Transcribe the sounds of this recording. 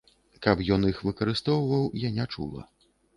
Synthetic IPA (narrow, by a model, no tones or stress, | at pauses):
kɐpjɔnixvɨkɐɾɨst̪ɔwvɐwjanʲɛt͡ʂṵlˠɐ̰